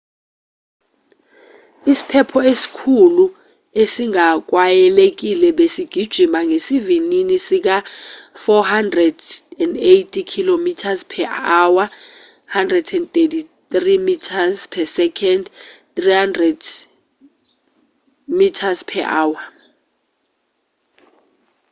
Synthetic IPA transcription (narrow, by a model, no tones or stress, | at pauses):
isi̥pʰɛpʰɔesi̥kʰulu | esiŋak̬ʼwajɛlek̬ilɛɓesiɡ̥ʱid̥ʒ̥ʱimaŋesivininisik̬afɔhandrɛdɛndejtʰʼikʰilomitʰazpʰɛawa | handrɛdɛndt̪ʼetʰitrimitʰazpʰɛsɛkʰɛndt̪rihandrɛd | mitʰazpʰɛʔaːwa